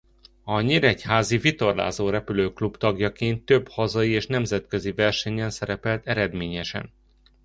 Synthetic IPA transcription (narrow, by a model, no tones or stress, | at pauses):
ɒɲeɾɛchaːzivit̪o̞rla̰ːzoːɾɛpyløːklubt̪ɒɡjɒkeːnt̪ːø̞bhɒzɒjieːʃnɛmzɛt̪kø̞zivɛrʃɛɲɛnsɛɾɛpɛlt̪ɛɾɛd̪meːɲɛʃɛ̰n